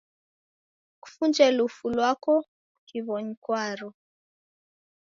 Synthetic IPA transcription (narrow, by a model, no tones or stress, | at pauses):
ku̥fund͡ʒɛlufulwakɔ | kiβɔɲikwaɾɔ